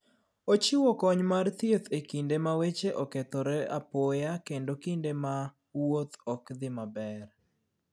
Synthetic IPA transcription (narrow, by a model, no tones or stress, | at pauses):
ot͡ʃiwɔkɔɲmart̪jet̪ekindemawet͡ʃeʔɔket̪ɔɾɛa̰pɔjakendokindema | wot̪ɔkd̪ɪmabɛɾ